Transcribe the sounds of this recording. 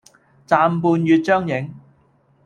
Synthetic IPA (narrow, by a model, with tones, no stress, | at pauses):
t͡saː˨˧mpuː˧njyː˧t̚t͡ʃœː˥ŋjɪ˨˥ŋ